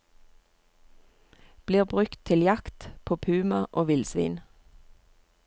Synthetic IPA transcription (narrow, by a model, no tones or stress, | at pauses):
b̥liːʁbʁʉkt̪ʰɪljɑkt̪pʰoːpʰʉːmɑʔoːʋɪlsʋḭːn